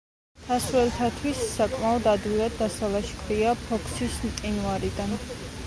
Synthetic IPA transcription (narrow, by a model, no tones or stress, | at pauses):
d̪̥asɾɛlt̪ʰat̪ʰwisːakʼmaɔd̪ad̪wilad̪ːasalaʃkʰɾiapʰɔkʰsismt̪ʼinvaɾid̪an